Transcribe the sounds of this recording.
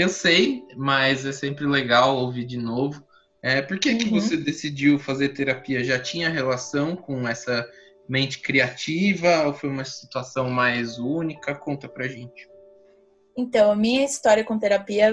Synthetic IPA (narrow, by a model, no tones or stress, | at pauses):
ẽsejmɐzɛsẽmpɾɪleɡawovid͡ʒɪnovʊ | ɛpoɾkekɪvosed̪esid͡ʒiwfazeɾt̪eɾapiɐʒat͡ʃĩɲɐɦelasɐ̃w̃kõɛsɐ | mẽnt͡ʃɪ̥kɾiat͡ʃivɐofojũmɐsi̥t̪uasɐ̃w̃majzunikɐkõnt̪ɐpɾɐʒẽnt͡ʃɪ̥ | ẽnt̪ɐ̃w̃ɐmĩɲɐist̪ɔɾjɐkõt̪eɾapiɐ